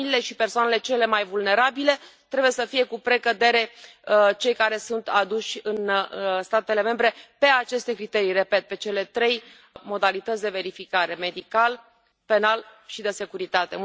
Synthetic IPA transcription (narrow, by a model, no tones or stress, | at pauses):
ilile̞ʃipersoanele̞t͡ʃe̞le̞majvulne̞ɾabile̞t̪ɾe̞buje̞səfije̞kupɾe̞kəd̪e̞ɾe̞ | t͡ʃe̞jkaɾe̞sunt̪ad̪uʃʲɨnst̪at̪e̞le̞me̞mbɾe̞pe̞at͡ʃe̞st̪e̞kɾit̪e̞ɾire̞pe̞t̪̚pe̞t͡ʃe̞le̞t̪ɾe̞j | mo̞d̪alit̪ət̪sʲd̪e̞ve̞ɾifikaɾe̞me̞d̪ikal | pe̞nalʃid̪e̞se̞kuɾit̪at̪e̞